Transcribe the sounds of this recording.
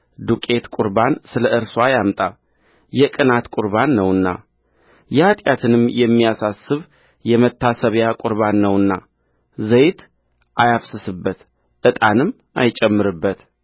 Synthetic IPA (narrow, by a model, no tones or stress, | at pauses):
d̪ukʼe̞t̪kʼuɾbansɨləʔɨɾswajamt̪ʼa | jɛkʼɨnat̪kʼʊɾbanːəwɨnːa̰ | jɛhat̪ʼjat̪ʰɨnɨmjɛmːijasasɨβ | jɛmət̪ːasəβjakʼʊɾβanːəwɨnːa̰ | zəjt̪ | ʔajafsɨsɨbːət̪ | ʔɨt̪ʼanɨmː | ʔa̰jt͡ʃʼɛmːɨɾɨbːət̪